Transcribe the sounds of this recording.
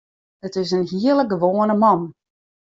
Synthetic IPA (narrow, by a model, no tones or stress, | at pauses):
ətɪs̬ənɦiələɡəʋoːənəmɑn